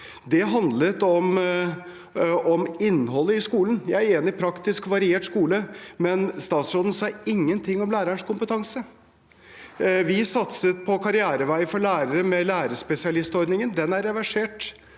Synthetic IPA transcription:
d̪ɛɦɑnd̪lət̪ɔm | ɔmɪnːhɔlːəɪskuːlən̩jæɪæɾeːnɪpʰɾɑkt̪ɪskʋɑɾɪeːʈskuːləmɛnst̪ɑːt̪sɾoːd̪ən̩sɑːɪŋːənt̪ʰɪŋːɔmlæːɾəɳʂkʊmpət̪ʰɑŋsə | ʋɪsɑt̪sət̪̚pʰɔkʰɑɾɪæːɾəʋæɪfɔɭæːɾəɾəmɛlæːɾəʂpɛsɪɑlɪst̪ɔɾd̪nɪŋənd̪ɛnæɾːɛʋæʂeːʈ

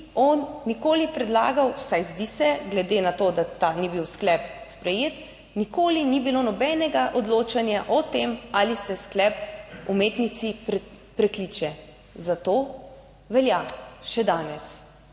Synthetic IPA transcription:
ɔnːikoːlipɾɛd̪la̰ːɡawsajzd̪isɛɡlɛd̪enat̪od̪at̪anibiwsklɛpspɾɛjeːt̪ | nikoːlinibiloːnɔbɛːnɛɡaʔɔd̪loːt͡ʃanjaʔɔt̪emalisɛsklɛpumeːt̪nit̪si | pɾɛklit͡ʃɛ | zat̪oː | ʋɛljaʃɛd̪aːnɛs

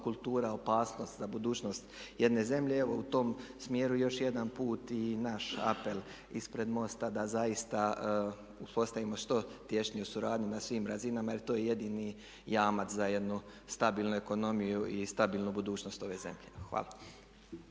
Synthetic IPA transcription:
kulˠt̪uːɾao̞paːsno̞ːst̪zabud̪uːt͡ʃno̞st̪je̞d̪ne̞ze̞mʎe̞eʋo̞ut̪o̞msmje̞ːɾujo̞ʃje̞d̪anpuːt̪inaʃa̰pe̞lˠ | ispɾe̞d̪mo̞st̪ad̪azajist̪a | uspo̞st̪aʋimo̞ʃt̪o̞t̪je̞ʃɲieusuɾaːd̪ɲinasʋiːmɾazinamailit̪oːjeje̞d̪iːni | jaːmat̪zaje̞d̪nust̪abiːlˠnueko̞no̞mijuʔist̪abiːlnubud̪uːt͡ʃno̞st̪o̞ʋe̞ːze̞̰mʎexʋa̰ːlˠa

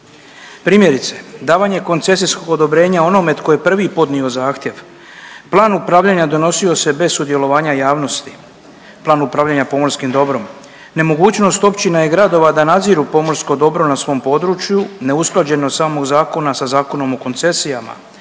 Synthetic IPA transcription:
pɾiːmje̞ɾit̪se̞d̪aːʋaɲe̞ko̞nt̪se̞s̬isko̞ɡo̞d̪o̞bɾe̞ːɲao̞no̞me̞t̪ko̞je̞pr̩ʋipo̞d̪nio̞zaːxt̪je̞ʋ | plˠaːnupɾaʋʎaɲad̪o̞no̞sio̞se̞be̞ssud̪je̞lo̞ʋaːɲajaːʋno̞st̪i̥ | plaːnupɾaːvʎaɲapo̞moɾskimd̪o̞bɾo̞m | ne̞mo̞ɡuːt͡ɕno̞st̪o̞pt͡ɕinaje̞ɡɾad̪o̞ʋad̪anad̪ziːɾupo̞mo̞ɾsko̞d̪o̞bɾo̞nasʋo̞ːmpo̞ːd̪ɾut͡ʃjune̞usklˠad͡ʑe̞nosaːmo̞ɡzaːko̞nasazaːko̞no̞moko̞nt̪se̞sijama̰

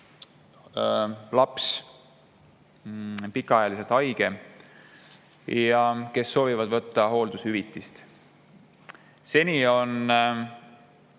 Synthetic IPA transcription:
lɑps | pikːˑɑɑjɑliset̪ɑjɡ̥e̞ | jjɑke̞sːo̞ːvivɑd̪̥vɤt̪ːɑɦo̞ːld̪̥ushyvit̪ˑːist̪ | se̞nʲio̞n

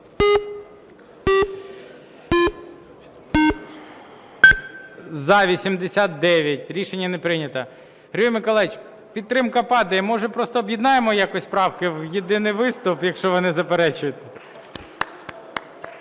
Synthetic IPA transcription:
zɐʋʲisʲimd̪esʲat̪̚d̪ɛʋʲjɐtʲɾʲiʃenʲːɐnepɾɪnʲɐt̪ɐ | ɦɾʲujmɪkɔlˠɛjɪt͡ʃ | pʲid̪t̪ːɾɪmkɐpɑd̪ɐjmɔʒɛpɾɔst̪ɔːbʲjid̪nɑjemɔjakɔsʲpɾɑwkɪwjed̪ɪnɪjʋɪst̪ʊpjɐkʃt͡ʃɔʋɔnɪzɐpeɾɛt͡ʃʊjʊt̪ɛ

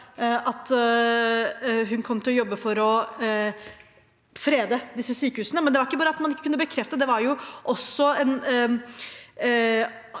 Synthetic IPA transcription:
ɑt̪ | ɦʉnkʰɔmːt̪ɪlɔjɔbːəfɔɾɔ | fɾeːd̪əd̪ɪsːəsyːkəhʉːsənəmɛnd̪ɛʋɑɾɪkːəbɑːɾəɑt̪mɑnɪkːəkʉnːəbəkʰɾɛft̪əd̪ɛʋɑɾjʊʔɔsːɔɛn

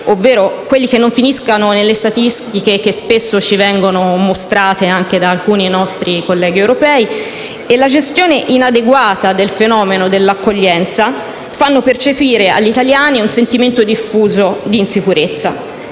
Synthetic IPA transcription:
ovːeːɾokwelːikenːoɱfiniskanonelːest̪at̪ist̪ikek̟espesːot͡ʃivɛŋɡonomost̪ɾaːt̪eaŋked̪aːlkuːninɔst̪ɾikolːɛːɡiewɾopɛːi | elːad͡ʒest̪joːneʔinad̪eɡwaːt̪ad̪elfenɔːmenod̪elːakːoʎːɛnt̪sa | fanːopert͡ʃepiːɾea̰ʎːit̪aljaːniunsent̪iment̪od̪ifːuːzod̪iːnsikuɾet̪sːa̰

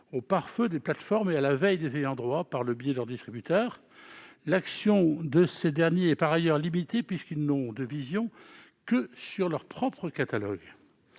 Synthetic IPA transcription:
opaʁfød̪eplat̪fɔʁmealavɛjd̪ezejɑ̃d̪ʁwapaʁləbjeɛd̪əlœʁd̪ist̪χibyt̪œːʁ | laksjɔ̃d̪əsed̪ɛʁnjeɛpaʁajœʁlimit̪epɥiskilnɔ̃d̪əvizjɔ̃ | kəsyʁlœʁpχɔpχəkat̪alɔɡ

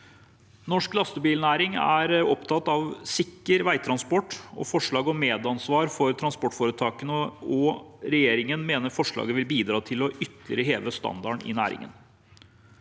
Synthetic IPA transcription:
nɔʂklɑst̪əbiːlnæːɾɪŋæ̰ːɾɔpt̪ʰɑt̪ːɑʋsɪkːəɾʋæɪt̪ʰɾɑnspɔʈːɔ̰fɔʂɭɑːɡɔmeːd̪ɑnsʋɑːɾfɔɾt̪ʰɾɑnspɔʈːfoːɾət̪ʰɑːkənəɔɾɛjeːɾɪŋənmeːnəɾfɔʂɭɑ̰ːɡəʋɪlbiːd̪ɾɑːt̪ʰɪlɔʔʏt̪ːəlɪ̰ɾəɦeːʋəst̪ɑ̰nd̪ɑɳɪ̰næ̰ːɾɪ̰ŋə̰n

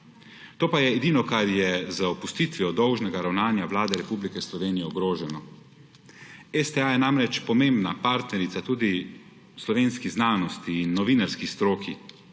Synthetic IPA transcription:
t̪oːpajɛːd̪inɔkaɾjɛzaɔpust̪it̪ʋijɔd̪ɔwʒnɛɡaɾawnaːnjaʋlaːd̪ɛɾɛpublikɛslɔʋeːnijɛɔɡɾoːʒɛnɔ | ɛst̪ɛajɛnamɾɛt͡ʃpɔmembnapaːɾt̪nɛɾit̪sat̪uːd̪i | slɔʋeːnskiznaːnɔst̪iːnːɔʋiːnaɾskist̪ɾoːkʰi

